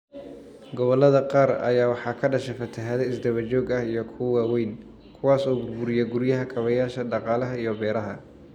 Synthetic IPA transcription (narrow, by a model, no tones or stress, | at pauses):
ɡɔβɔlːɐðɐqɑːɾɐ̰jaːwɑħɑːkʰɐɖɐʃɛfɐt̪ʰɐɦɐðɐɪsd̪ɐβɐt͡ʃɔːɡɐhijɔkʰʊwaːwɛjn | kʰʊwɑːsɔːbʊrbʊɾɪjɛɡʊɾjɐɦɐkʰɐβɐjaːʃɐɖɑqɑːlɐɦɐijɔbɛːɾɐɦɐ̰